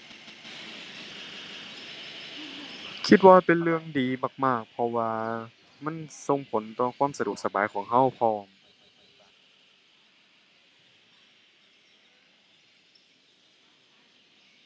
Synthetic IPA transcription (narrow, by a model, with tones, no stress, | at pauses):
kʰi˧t̪̚waː˧pe˨nlɯ˧əŋdiː˨maː˧˩k̚maː˧˥˩k̚pʰɔ˧waː˧ | ma˧˥˨nso˧ŋpʰo˨˦nt̪ɔː˧˩kʰwaː˧˥˨msa˧du˨˩ək̚sa˧ba̰ː˨˦jkʰɔː˩˦ŋɦa˧˥˩wpʰɔː˧˩m